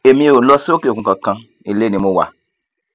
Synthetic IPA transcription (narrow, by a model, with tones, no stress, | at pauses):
e˨mĩ˦e˦˨o˨lɔ˦so˦ke˨o˨kũ˨ka˨kã˦ | i˨le˦ni˨mo˦wa̰˨